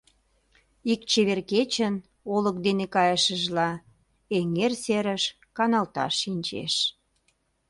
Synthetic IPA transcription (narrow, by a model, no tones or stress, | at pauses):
ik̚t͡ɕeβerket͡ɕən | olək̚d̪enekɑjəʃəʒlɑ | eŋerseɾəʃ | kɑnɑlt̪ɑ̰ʃːinʲt͡ɕḛʃ